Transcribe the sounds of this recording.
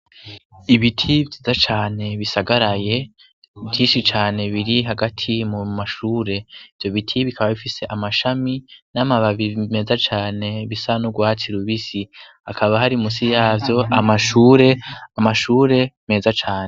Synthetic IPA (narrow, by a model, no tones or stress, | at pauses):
iβitʰivjiːzat͡ʃaːne̞βisaɡaɾaje̞ | vjiːnʃit͡ʃaːne̞βiɾiɦaɡatʰimumaʃuːɾe̞iv̥jo̞βitʰiβikʰaβaβifise̞ʔamaʃaminamaβaβime̞zat͡ʃaːne̞βisanuɡwaːt͡siɾuβisi | akʰaβaɦaɾimusijaːvjo̞ʔamaʃuːɾe̞amaʃuːɾe̞me̞zat͡ʃaːne̞